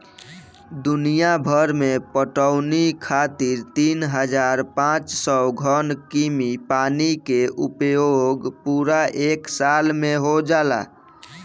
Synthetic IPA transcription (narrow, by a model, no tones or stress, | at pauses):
d̪unijabʱəɾmepəʈəʊnikʰat̪iɾt̪inɦəd͡ʒaɾpãt͡ʃsɔɡʱənkimipanikeʔupjoɡpuɾaʔeksalmeɦod͡ʒala̰